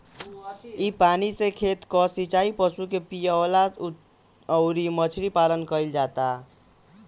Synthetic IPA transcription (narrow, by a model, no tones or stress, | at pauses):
ipanisẽkʰet̪kɔsit͡ʃaipəsukepijala | əʊɾimət͡ʃʰɾipalənkəɪld͡ʒat̪a